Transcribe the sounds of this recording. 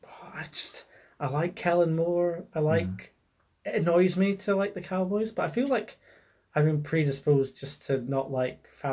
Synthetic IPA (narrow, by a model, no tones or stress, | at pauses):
ɔaɪd͡ʒʌst | aɪlˠaɪkʰːɛlˠə̃nmɔɹaɪlˠaɪk | ɪənɔɪzmitʰəlˠaɪk̚ðəkʰaʊbɔɪzb̥ʌʔaɪfilˠaɪk | aɪbĩnpʰɹ̥idɪspozd͡ʒʌstʰənəʔlˠaɪk | fa